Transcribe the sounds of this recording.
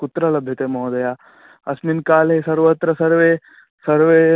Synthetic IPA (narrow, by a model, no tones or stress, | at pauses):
kut̪ɾɐlɐbʱjɐt̪eːmɐɦd̪ɐja | ɐsminkaːlesɐɾʋɐt̪ɾɐsɐɾʋeː | sɐɾʋeː